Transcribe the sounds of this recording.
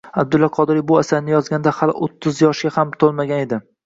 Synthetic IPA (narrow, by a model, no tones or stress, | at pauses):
ab̚d̪ʊlːaqʰɒd̪ɪɾibʊasaɾnɪjɒzɡʲand̪ahalʔot̪ʰːʊzjɒʃɡʲahamt̪ʰolˠmaɡʲane̞d̪ɪ